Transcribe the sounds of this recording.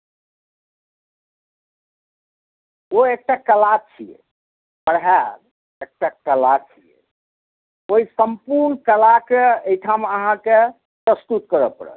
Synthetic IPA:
oek̚ʈakəlat͡ʃʰijḛ | pəɽɦaɾ | ek̚ʈakəlat͡ʃʰijḛ | oisəmpuɾnkəlakeejʈʰaməɦãke | pɾəst̪ut̪̚kəɾəpə̰ɽə̰t̪

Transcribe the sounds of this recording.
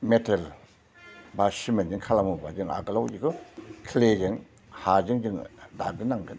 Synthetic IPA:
metʰal | basimend͡ʒɯŋkʰalamubad͡ʒɯŋa̰ɡɯlawd͡ʒikɯkʰled͡ʒɯŋ | had͡ʒɯŋd͡ʒɯŋdak̚dɯnaŋɡɯn

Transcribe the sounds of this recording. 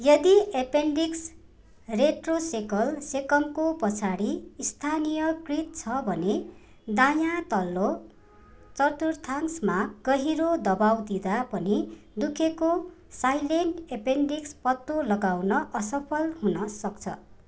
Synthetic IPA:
jʌd̪iepeɳɖiks | reʈrosekʌlsekʌmkopʌt͡sʰaɽiist̪ʰanijʌkrit̪̚t͡sʰʌbʱʌne | d̪ajat̪ʌlːo | t͡sʌrt̪urt̪ʰaŋsmaɡ̥ʌɦiɾod̪ʌbawd̪id̪apʌnid̪ukʰeko | sajlenʈepeɳɖikspʌt̪ːolʌɡawnʌʔʌsʌpʰʌlɦunʌsʌk̚t͡sʰʌ̰

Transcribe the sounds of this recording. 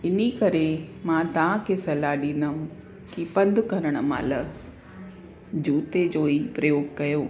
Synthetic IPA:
ɪnikɐɾemãːt̪ɐʋ̤ãkʰesɐlaɗĩːnd̪əm | kipɐ̃nd̪ʱʊkɐɾəɽ̃əmã̰ːlə | d͡ʑuːt̪ed͡ʑoːipɾɐjoːɡ̚kɐjoː

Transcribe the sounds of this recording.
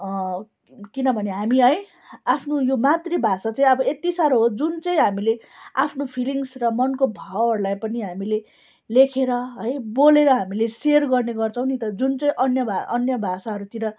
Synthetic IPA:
kinʌbʱʌneɦamiɦʌj | apʰnojomat̪rebʱasat͡saĩʌbʌet̪isaɾoɦod͡zunt͡sʌĩɦamile | a̰pʰnopʰiliŋsrʌmʌnkobʱawɦʌrulajpʌniɦamile | lekʰeɾʌɦʌjboleɾʌɦamileserɡʌrneɡʌrt͡sʰʌ̃w̃nit̪ʌd͡zunt͡sʌĩʔʌnjʌʌnjʌbʱasaɦʌɾut̪iɾʌ

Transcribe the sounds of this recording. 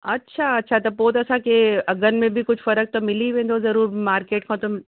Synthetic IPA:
ɐtːʃʰaɐtːʃʰat̪ɐpoːt̪ɐsãkʰeɐɡənmẽbʱikʊd͡ʑʱfɐɾək̚t̪omɪliʋẽːn̆d̪ozɐɾuːɾmaːɾkeːʈkʰãt̪o

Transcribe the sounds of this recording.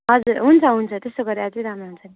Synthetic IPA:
ɦʌd͡zuɾɦunt͡sʰʌɦunt͡sʰʌt̪est̪oɡʌɾad͡zʌjɾʱanoɦunt͡sʰʌni

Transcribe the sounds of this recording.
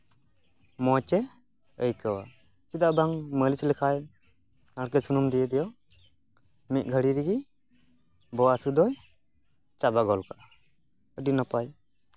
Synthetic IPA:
mɔt͡ʃɛ | əjkəwa̰ | t͡ʃid̪abaŋməlislɛkʰaj | naɽkɛsunumd̪ɛjɛd̪ɛjɔ | mit̪̚ˀɡʱəɽiɾiɡi | bɔwasud̪ɔj | t͡ʃabaɡɔlkaʔa | əɖinɔpaj

